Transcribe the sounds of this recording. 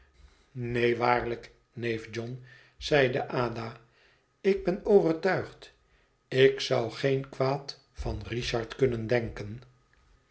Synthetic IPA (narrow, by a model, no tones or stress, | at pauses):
nejʋaːɹlək | nejfd͡ʒɔn | z̥ɛjdəʔaːda | ɪɡ̚bɛnowvərtœɥχt | ɪksʌwχejnkʋaːt | fɑnriʃɑɹtkɵnəndɛŋkən